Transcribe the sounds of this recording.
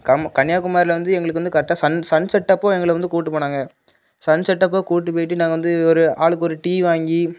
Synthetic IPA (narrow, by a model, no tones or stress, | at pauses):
kɐkɐɳɪjaːkɯmaːɾɪlɐʋɐnd̪ɯɛŋɡɐɭɯkːʋɐnd̪ɯkɐɾɛʈːaːsɐnsɐnsɐʈːɐpːõːɛŋɡɐɭʋɐnd̪ɯkuːʈ̬ːɯpːoːɳaːŋɡɐ | sɐnsɐʈːɐp̬ːoːkuːʈ̬ːɯp̬ːoːjɪʈ̬ːɯnaːŋɡɐnd̪ɯɔɾɯaːɭɯk̬ːɔɾɯʈiːʋaːŋɡi